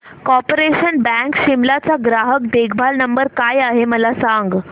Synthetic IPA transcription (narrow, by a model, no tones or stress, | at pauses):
kɔɾpoɾeɕənbɛ̃ŋkɕimlat͡saɡɾaɦək̚d̪eɡʱbʱalnəmbəɾkajaɦeməlasaŋɡ